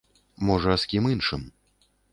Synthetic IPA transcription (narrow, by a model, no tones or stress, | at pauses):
mɔʐɐːsʲkʲiminʂɨm